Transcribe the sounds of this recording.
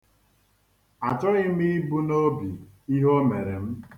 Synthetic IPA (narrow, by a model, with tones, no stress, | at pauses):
a˨t͡ʃɔ˦ɣɪ˦mi˦bu˦no˦bi˨ | i˦ɦo˦me˨ɾe˨m̩˦